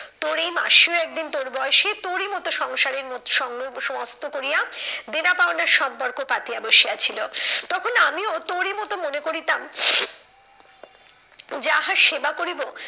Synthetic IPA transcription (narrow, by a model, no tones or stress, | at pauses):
t̪oɾejma̰ʃioɛk̚d̪int̪oɾbɔoʃet̪oɾimɔt̪oʃɔŋʃaɾeɾmoʃɔŋʃmost̪ʰokoɾijad̪enapaonaɾʃɔmpoɾkopat̪iaboʃiat͡ɕʰilot̪ɔkʰonamiot̪oɾemɔt̪omonekoɾit̪am | d͡ʑaɦaɾʃebakoɾibo